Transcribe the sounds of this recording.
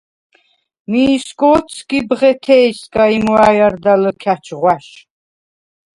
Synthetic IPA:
miskʼɔːt̪sʰkʼibʁɛt̪ʰɛjskʼaimwajaɾd̪aləkʰat͡ʃʰʁwaʃ

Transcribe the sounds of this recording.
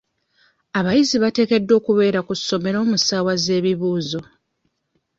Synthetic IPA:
aβajiziβate̞ːke̞dːo̞ːkuβe̞ːɾakusːo̞me̞ɾo̞ːmusaːwaze̞ːβiβuːzo̞

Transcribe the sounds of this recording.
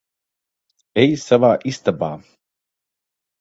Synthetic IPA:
ejsavaːʔist̪aba̰ː

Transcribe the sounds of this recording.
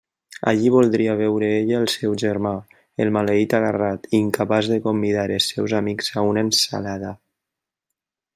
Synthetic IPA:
a̰ʎiβ̞ulˠd̪ɾiaβɛwɾəeʎːlˠsɛwʒəɾma | elˠmaleit̪aɣarat̪iŋkapazðəkombiðaɾesɛwzamikzaunənsa̰laða

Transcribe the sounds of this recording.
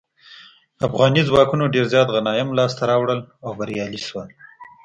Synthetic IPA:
afɣɑnizwɑkunoɖeɾzjɑt̪ɣanɑjɪmlɑst̪aɾɑwɽəlawbaɾjɑliʃwəl

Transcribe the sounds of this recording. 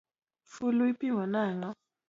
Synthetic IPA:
fuluipiŋanaːŋa

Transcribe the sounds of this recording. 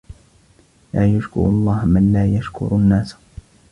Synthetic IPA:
laːjʊʃkʊ̰ɾɑlˤːɑːhmanlaːjaʃkʊ̰ɾunːaːs

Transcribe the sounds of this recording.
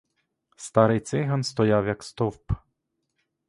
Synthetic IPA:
st̪ɑɾɪjt̪sɪɦɐnst̪ɔjawjɐkst̪ɔwp

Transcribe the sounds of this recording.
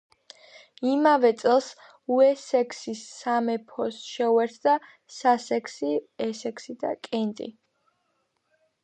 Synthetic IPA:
imavɛt̪sʼɛlˠs | uɛsɛkʰsisːamɛpʰɔsʃɛuɛɾt̪ʰd̪a | sasɛkʰsiɛsɛkʰsid̪a̰kʼɛnt̪ʼḭ

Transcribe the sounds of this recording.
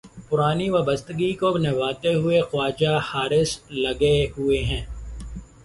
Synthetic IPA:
pʊɾaːniʋaːbəst̪əɡikonɛʋaːt̪eɦʊexʊaːd͡ʒahaːɾɪslɐɡeɦʊeɦɛ̃ː

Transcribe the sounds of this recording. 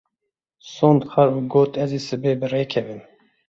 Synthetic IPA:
soːnd̪xɛɾuɡoːt̪ɛziːsɨbeːbɨreːkʰɛvɨn

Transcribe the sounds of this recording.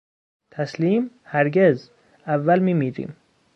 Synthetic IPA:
t̪ʰæsliːm | hæɾɡez | ævːælmiːmiːɾḭːm

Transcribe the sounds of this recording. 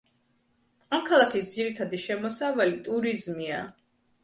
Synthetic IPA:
amkʰalˠakʰisd̪ziɾit̪ʰad̪iʃɛmɔsavalit̪ʼuɾizmia

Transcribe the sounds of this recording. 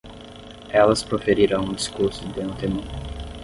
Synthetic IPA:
ɛlɐspɾofeɾiɾɐ̃w̃ũd͡ʒiskuɾsʊd̪eɐ̃t̪emũ

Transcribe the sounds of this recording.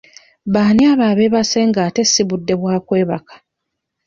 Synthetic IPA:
βaːniaβaːβe̞βase̞ŋɡaːte̞siβudːe̞βwaːkwe̞ːβakḁ

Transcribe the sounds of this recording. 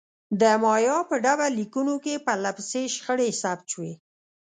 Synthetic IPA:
d̪əmɑjɑpəɖabalikunokepəlapseʃxəɽesap̚t͡ʃwe

